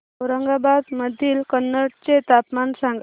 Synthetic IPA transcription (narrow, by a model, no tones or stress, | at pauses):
ɾəŋɡabad̪məd̪ʱiːlkənːəɽt͡set̪apmansãŋɡ